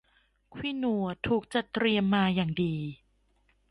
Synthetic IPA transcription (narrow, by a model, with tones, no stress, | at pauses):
kʰwiː˦˥˩nu˧˩ɐt̪ʰuː˨˩k̚t͡ɕa˨˩t̪ɾi˧əmːaː˧jaː˨˩ŋdiː˨˧